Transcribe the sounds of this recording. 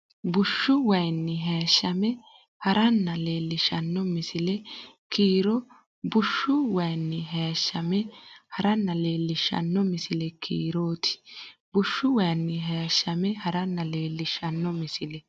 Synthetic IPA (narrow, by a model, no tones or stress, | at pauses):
bʊʃːʊwɐjnːɪɦeːʃːɐmɛ | hɐɾʔɐnːɐle̞ːlːɪʃɐnːɔmɪsɪlɛkiːɾɔ | bʊʃːʊwɐjnːɪɦeːʃːɐmɛhɐɾɐnːɐle̞ːlːɪʃːɐ̰nːɔmɪsɪlɛkʰḭːɾoːt̪ɪ̥bʊʃːʊwɐjnːɪɦeʃːɐmɛhɐɾɐnːɐleːlːɪʃːɐnːɔmɪsɪlɛ